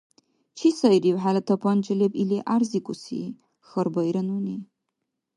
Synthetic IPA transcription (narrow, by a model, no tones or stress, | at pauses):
t͡ʃʰisɐjriwħalɐtʰɐpʰɐnt͡ʃʼɪlepʼileʔarzikʷʼʊsḭ | xɐrbɐjɾɐnune